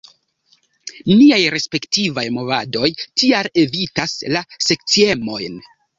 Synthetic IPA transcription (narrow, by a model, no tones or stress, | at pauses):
niajɾe̞spe̞ktivajmo̞vado̞jtiale̞vitaslase̞k̚t͡sie̞mo̞jn